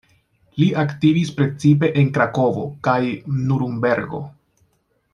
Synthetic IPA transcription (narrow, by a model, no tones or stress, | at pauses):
liaktivispɾe̞t͡sip̬e̞ʔenkɾako̞vo̞̰kajnuɾumbe̞ɾɡo̞̰